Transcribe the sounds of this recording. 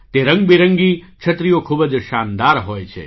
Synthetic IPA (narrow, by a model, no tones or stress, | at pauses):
t̪eɾə̃ŋɡbiɾə̃ŋɡi | t͡ʃʰət̪ɾijokʰubəd͡ʒʃand̪aɾɦoːjt͡ʃʰḛ